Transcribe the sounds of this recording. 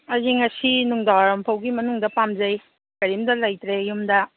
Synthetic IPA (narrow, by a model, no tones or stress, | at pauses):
ɐziŋɐsinuŋdawaɾɐmpʰɐwɡimɐnuŋdɐpamzɐj | kɐɾimdɐlɐjtɾejumdɐ